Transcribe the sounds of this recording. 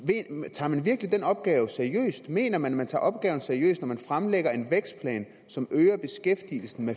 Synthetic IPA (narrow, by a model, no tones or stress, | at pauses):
et͡sʰɑ̈ːmænʋiɐɡ̥lid̥enɒ̽b̥̚ɡ̥ɛːʊsæɐiø̰ːsd̥me̝̰ːnɐmænæmænt͡sʰɑ̰̈ːʔɒ̽b̥̚ɡ̥ɛ̰ːʊn̩sæɐiø̰ːsd̥nɒmænfʁamleɡ̥ɐe̝nʋeɡ̥sd̥̚pʰlɛ̰ːn | sɒ̽møːɐb̥e̝sɡ̥efd̥il̩sn̩me